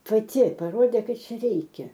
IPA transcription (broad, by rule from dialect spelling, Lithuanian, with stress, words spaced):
pɐˈtʲɪ pɐˈroːdʲeː ˈkɐt ˈt͡ʃʲɛ ˈrʲɛɪkʲɛ